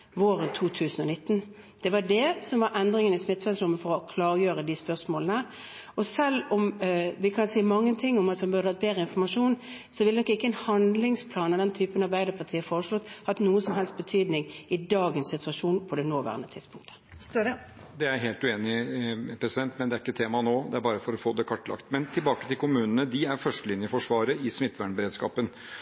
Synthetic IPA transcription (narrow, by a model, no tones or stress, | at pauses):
ʋoːɾənt̪ʰuːt̪ʰʉːsən̩ɔnɪt̪ːn̩ | d̪̥ɛʋɑɖɛsɔmʋɑɾʔɛnd̪ɾɪŋənɪsmɪt̪ːfɛnsɾʊmːəfɔɾɔkʰlɑːɾəjøːɾəd̪ɪspœʂmoːlnəə | ɔsɛlːɔmʋɪkʰɑnsiːmɑŋːənt̪ʰɪŋːʊmɑt̪ʋɛnbʉʁd̪əhɑt̪̚beːɾəɪnfɔɾmɑʂuːnsɔʋɪld̪ɛnɔkːɪkːəɛnhɑnd̪lɪŋspʰlɑːnɑd̪ɛnt̪ʰyːpənɑɾbæɪd̪əpʰɑt̪ʰiːəfoːɾəʂlɔt̪ːhɑt̪nuːəsɔmɦɛlst̪̚bət̪ʰyːd̪nɪŋɪd̪ɑːɡənsɪt̪ʉɑʂuːnpʰɔd̪ɛnoːʋæ̰ʁənət̪ʰɪd̪spʰʊŋk̚t̪ʰə̥ | d̪ɛæɾɦeːlt̪ʉeːnɪpʰɾɛsɪd̪ɛnt̪mɛnd̪ɛæɾɪkːət̪ʰeːmɑnoːd̪ɛæɾbɑːɾəfɔɾɔfoːd̪ɛkʰɑʈːlɑ̰kt̪mɛnt̪ʰɪlbɑːkət̪ɪlkʰʊmʉːnənəd̪ɪæɾfœʂʈəlɪnjəfɔʂʋɑːɾəɪsmɪt̪ːʋæɳbəɾeːd̪skɑ̰ːpən